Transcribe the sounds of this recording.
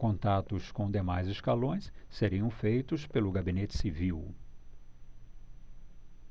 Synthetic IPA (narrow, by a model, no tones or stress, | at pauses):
kõnt̪at̪ʊskõd̪emajzɪskalõj̃sseɾiɐ̃w̃fejt̪ʊspelʊɡabinet͡ʃɪ̥siviw